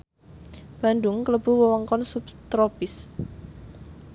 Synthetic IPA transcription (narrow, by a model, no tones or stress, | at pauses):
b̥a̤nd̪ʊŋkələb̥uwəwɔŋkɔnsupt̪ɾopɪs